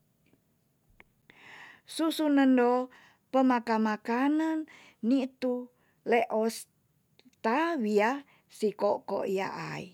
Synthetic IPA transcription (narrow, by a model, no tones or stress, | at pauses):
susunəndo | pəmakamakanənː | it̪u | leʔɔs | t̪awia | sikoko̰ʔia̰ʔa̰ḭ